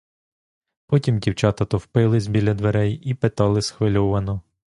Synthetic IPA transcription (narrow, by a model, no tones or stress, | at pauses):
pɔtʲimdʲiwt͡ʃɑt̪ɐt̪ɔwpɪlˠɪzʲbʲilʲːɐd̪ʋeɾɛjipet̪ɑlˠɪsxʋɪlʲɔʋɐnɔ